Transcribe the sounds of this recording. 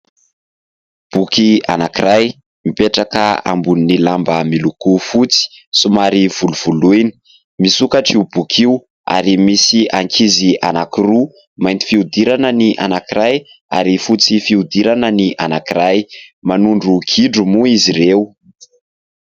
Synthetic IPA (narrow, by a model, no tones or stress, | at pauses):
b̥ukia̰nakiɾaj | mipeʈ͡ʂakəa̰mbuninilambəmilukufut͡si̥sumaɾiv̥uluv̥ulujni̥ | misukaʈ͡ʂiub̥ukʰiw | a̰ɾimisiʔaŋkʰizianakiru | majnt̪i̥fiud̪iɾanəniʔa̰nakiɾaj | a̰ɾifut͡sifiud̪iɾanəniʔa̰nakiɾajmanuɳɖ͡ʐuɡʰiɖ͡ʐumuiziɾeu